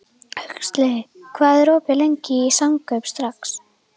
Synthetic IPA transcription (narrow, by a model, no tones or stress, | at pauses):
hœɥkst̪lɛɣɪkʰvaːðɛɾoːpɪlejɲcɪisaŋkʰœɥpst̪ɾaks